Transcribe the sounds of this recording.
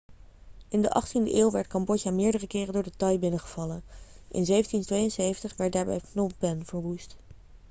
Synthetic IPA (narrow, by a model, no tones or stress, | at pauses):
ʔɪndəʔɑχtində̰ʔeːlˠʋɛɹtkɑmbɔcamɪːɹdərəkɪːrəndʊːɹdətɑjbɪnəχəv̥ɑlənʔɪ̰nzejvəntintʋejənsejvəntəχʋɛɹt̚daːɹbɛ̰jknɔbɛnv̥əɹʋust